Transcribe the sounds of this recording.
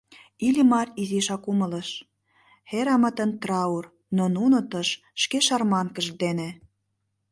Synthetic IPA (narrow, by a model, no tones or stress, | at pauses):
ilʲimɑriziʃɑkumələʃ | xeɾɑmə̆t̪ə̆nt̪rɑur | nonunot̪əʃ | ʃkeʃɑrmɑnkəʒd̪ene